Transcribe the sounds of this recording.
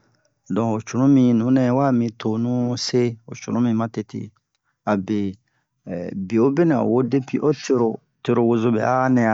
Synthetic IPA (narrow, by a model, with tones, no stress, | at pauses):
dɔ̃˨o˨t͡ʃu˨nũ˦mĩ˧nũ˨˦nɛ̃˨˦wa˦mĩ˧to˨nũ˦se˦o̰˨t͡ʃṵ˨nũ˦mĩ˧mã˦te˨tʰḛ˨ | a˨be˨ | bi˨o˦be˦nã̰˨wo˦de˦pi˦ʔo˦te˧ɾo˨ | te˦ɾo˨wo˧zo˦bɛ̰˨a˦nɛ̃˨a˨